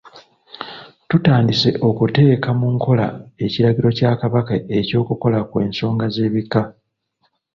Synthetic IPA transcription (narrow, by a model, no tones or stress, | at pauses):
tutaːndise̞ʔo̞kute̞ːkamuŋko̞la̰e̞ciɾaɡiɾo̞caːkaβakae̞co̞ːkuko̞lakwe̞ːnso̞ːŋɡaze̞ːβika